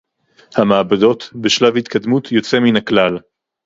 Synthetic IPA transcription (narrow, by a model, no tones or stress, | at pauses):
hamaːbado̞t̪beʃlavhit̪kad̪mut̪ʰjo̞t͡se̞minaklal